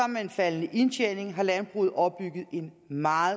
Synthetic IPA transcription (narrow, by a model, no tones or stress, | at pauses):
ɑmmeenfælənəʔe̝nt͡ɕʰene̝ŋɦɑ̈lænb̥ʁṵːð̩ˠɒ̽bb̥yɡ̥ð̞̩ˠe̝n | mɑ̈ː